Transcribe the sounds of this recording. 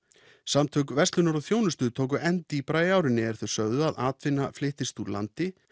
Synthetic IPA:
samt̪ʰœkvɛst̪lʏnaɾɔθjoːwnʏst̪ʏt̪ʰoːwk̬ʏʔɛnt̪ɪipɾaːjaːwɾɪnːɪɛɾ̥θœɥsœɣðʏaðaːt̪vɪnːaflɪht̪ɪst̪ula̰nt̪ɪ

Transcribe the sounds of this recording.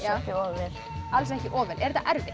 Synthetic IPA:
acɪɔːvɛɾ̥ | als̬ɛhcɪʔɔːvɛlʔɛɾt̪aʔɛɾvɪ

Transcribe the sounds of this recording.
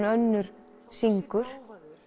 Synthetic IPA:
œnːʏɾ̥ | siŋkʏɾ̥

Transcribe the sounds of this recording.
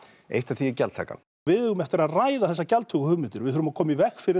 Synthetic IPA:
ḛjht̪aθiɪcɛ̰lt̪ʰa̰ːka̰n | vɪðʏɣʏmɛht̪ɪɾaðraːjðaθɛs̬ːacalt̪ʰʏkʏhʏmɪnt̪ʏɾvɪðʏɾʏmakʰɔːmaivɛxfɪɾɪ

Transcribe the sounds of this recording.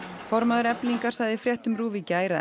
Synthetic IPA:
fɔɾmaðʏɾɛpliŋkaɾ̥sajðɪfɾjɛht̪ʏmɾuːvicaːjɾa

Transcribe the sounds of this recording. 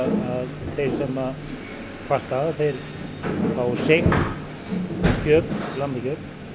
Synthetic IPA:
aðθejɾ̥sɛma | kʰvaht̪aːvθejɾ | awseh | çœːpnlant̪açœːpn

